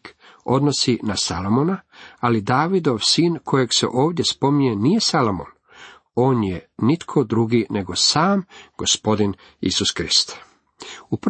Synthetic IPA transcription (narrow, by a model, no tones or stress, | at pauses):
o̞d̪no̞sinasalomonaalid̪aːʋid̪o̞ʋsiːnkʰo̞je̞ɡsḛʔo̞ːʋd̪je̞spo̞mɲenije̞salomo̰n | o̞ːnjenit̪kʰo̞d̪ɾuɡine̞ɡo̞saːmɡ̥o̞spo̞d̪in | ḭsuskɾist̪ | up